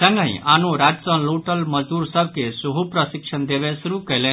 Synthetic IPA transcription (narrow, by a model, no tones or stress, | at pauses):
sə̃ŋɡãḭ̃ʔanuɾad͡ʑt͡sə̃nloʈəlməd͡zd̪uːɾsəb̚kesuɦupɾəsikʂənd̪eʋẽsuɾukəlẽ